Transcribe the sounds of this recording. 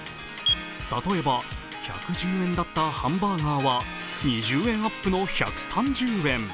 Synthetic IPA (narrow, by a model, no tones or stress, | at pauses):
t̪at̪o̞e̞ba | ça̰kɯ̟d͡ʑɨːẽ̞nd̪at̪ːahãmbaːŋaːβa | ɲiʑɨːẽ̞ɰ̃apːɯ̟no̞ça̰kɯ̟̥sãɲ̟d͡ʑɨːẽ̞ɴ